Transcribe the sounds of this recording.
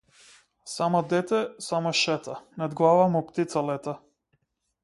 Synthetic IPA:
samad̪ɛt̪ɛsamaʃɛt̪anad̪ɡlˠavamupt̪it̪salɛt̪a

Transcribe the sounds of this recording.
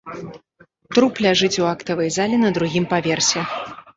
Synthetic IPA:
t̪ɾuplʲaʐɨt͡sʲuakt̪ɐvɐjzalʲɛnɐd̪ɾuɣʲimpavʲersʲɛ

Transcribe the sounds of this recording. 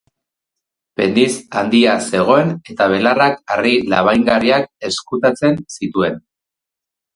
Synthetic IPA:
pe̞nd̪isand̪iase̞ɣ̞o̞e̞ne̞t̪aβ̞e̞larakarila̰βajŋɡaɾiak̚e̞skut̪at͡se̞nsit̪ue̞n

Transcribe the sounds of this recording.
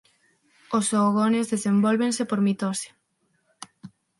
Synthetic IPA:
osoɣonezðesembolβensepoɾmit̪osḁ

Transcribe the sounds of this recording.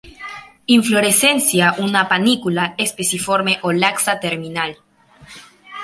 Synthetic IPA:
iɱflo̞ɾese̞nsjaʔunapanikulaespesifo̞ɾme̞ʔolaksat̪eɾminal

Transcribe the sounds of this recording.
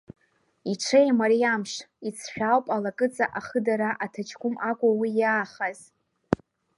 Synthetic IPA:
iʈ͡ʂʰejmaɾijamʂit͡sʰħᶣawpʼalakʼɨt͡sʼaʔaχədaɾaʔatʰat͡ʃʰkʷʰʼʊmakʷʼawijaːχaz̥

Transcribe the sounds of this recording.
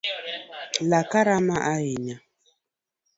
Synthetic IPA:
lakaɾamaʔaiɲa

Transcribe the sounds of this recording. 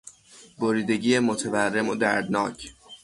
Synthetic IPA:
boɾiːd̪e̞ɟiːjemot̪ʰeværːe̞mod̪æɾd̪nɒːcʰ

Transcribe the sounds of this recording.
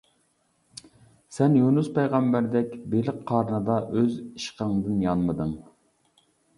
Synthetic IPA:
sɛnjunuspɛjʁɑmbæɾd̪ɛkʲbelɪqqʰːɑːɾnɨd̪ɑʔøziʃqəŋd̪ɨnjɑnmɨd̪ɨŋ

